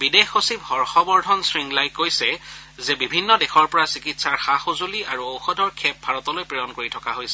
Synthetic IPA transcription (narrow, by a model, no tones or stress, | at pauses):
bidexosiphɔɹxɔbɔɹdʱɔnsɹiŋlajkojsɛ | zɛbibʱinːɔdɛxɔɹpɔɹasikitsaɹxaxozuliaɹuowxɔdʱɔɹkʰɛp̚bʱaɹɔtɔlojpɹijɔnkoɹitʰɔkaɦojsɛ